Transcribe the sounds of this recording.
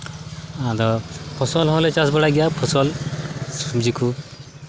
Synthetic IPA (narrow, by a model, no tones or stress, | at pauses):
ãd̪ɔpʰɔsɔlɦɔlet͡ʃasbɔɽaɡijapʰɔsɔlsumd͡ʒiku